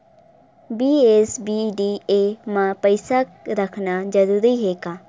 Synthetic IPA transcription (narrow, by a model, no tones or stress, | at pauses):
biːeːsbiːɖiːeːmãːpəɪsaːɾəkʰnaːd͡ʒəɾuːɾiːɦeːkaː